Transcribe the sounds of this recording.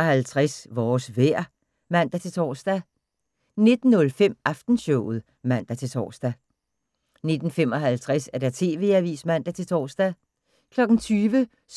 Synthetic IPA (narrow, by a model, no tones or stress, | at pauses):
hælt͡sʰʁasʋɒːsʋæɐ̰ | mæn̰d̥æt͡sʰe̝t͡sʰɒ̰ːsd̥æ | ne̝d̥n̩ːɔ̽lfem̰ʔɑfd̥n̩ɕɔʊ̰ð̞̩ˠ | mæn̰d̥æt͡sʰe̝t͡sʰɒ̰ːsd̥æ | ne̝d̥n̩fem̰ɒ̽ɦælt͡sʰʁasæɐd̥æt͡sʰe̝ːʋe̝̰ːæʋḭːsmæn̰d̥æt͡sʰe̝lt͡sʰɒ̰ːsd̥æ | kʰlɒ̽ɡ̥n̩t͡sʰyːʋə | s